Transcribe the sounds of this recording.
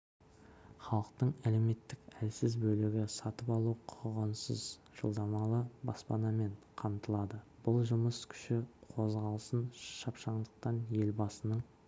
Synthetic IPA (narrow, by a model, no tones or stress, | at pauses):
χɑlˠəq̚t̪əɴæle̞me̞t̪ːɪkælsɪzbɵlɪɡʲɪsɑt̪əpɑlˠuqʰʊʁənsəzʒ̥ə̰lˠd̪ɑmɑlˠəbɑ̰spɑnɑme̞ɴqʰɑmt̪əlˠɑd̪əb̥ʊlˠʒʊməskʲʰʏ̥ʃɪqʰo̞zʁɑlˠəsənʃʃɑpʃɑɴd̪əq̚t̪ɑnje̞lbɑsənəɴ